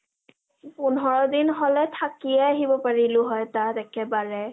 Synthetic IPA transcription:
punɦɔɹɔdinɦɔlɛtʰakiɛaɦibɔpaɹilʊɦɔjtatɛkʰɛbaɹɛ

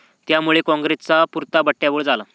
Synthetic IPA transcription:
t̪jamuɭekɔ̃ŋɡɾet͡sapuɾt̪abəʈːjaʋəɭd͡zala

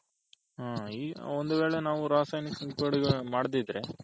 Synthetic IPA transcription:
ɦaːiːond̪uʋe̞ːɭenaːʋuɾaːsaːjniksɐŋkɐɽiɡemaːɽd̪id̪ɾe

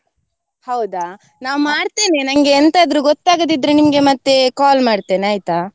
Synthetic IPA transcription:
hɐwd̪aː | naːʋmaːɽt̪eːne̞nɐŋɡeːnt̪ɐːd̪ɾuɡot̪ːaːɡɐd̪id̪ɾenimɐɡe̞mɐt̪ːe̞kaːlmaːɽt̪eːneaːjt̪aː

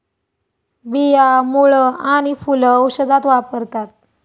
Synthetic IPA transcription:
bijamuɭəaɽ̃ifuləwɕəd̪at̪ʋapəɾt̪at̪̚

